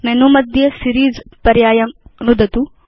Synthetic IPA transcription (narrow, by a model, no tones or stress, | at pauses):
menumɐd̪ʱjɐsiɾiːzpɐɾjaːjɐmnud̪ɐt̪u